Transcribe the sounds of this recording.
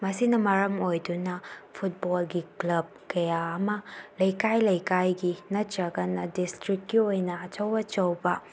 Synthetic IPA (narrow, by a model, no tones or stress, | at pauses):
mɐsinɐmɐɾɐmojdunɐpʰut̚bolɡiklɐb̚kɐjaːmɐlɐjkajlɐjkajɡinɐt͡ʃɐɡɐnɐdistɾikɡiojnɐːt͡ʃɐwɐt͡ʃɐwbɐ